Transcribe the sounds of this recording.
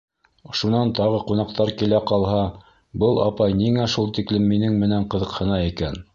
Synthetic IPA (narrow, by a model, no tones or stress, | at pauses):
oʃunɑnt̪ɑʁɤqunɑqt̪ɑɾkilæqɑlˠɦɑ | bɤlˠɑ̰pɑjniŋæʃulˠt̪iklɘmːinɘŋmɘ̆næɴqɤ̆ðɤ̆qhɤ̆nɑikæn